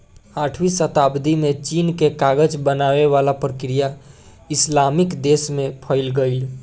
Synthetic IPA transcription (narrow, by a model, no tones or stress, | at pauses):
aːʈʰwisət̪aːbd̪imẽt͡ʃiːnkekaɡəd͡ʒbənaːweʋaːlapɾəkɾija | ɪslaːmɪkd̪eːsmẽpʰəɪlɡəɪl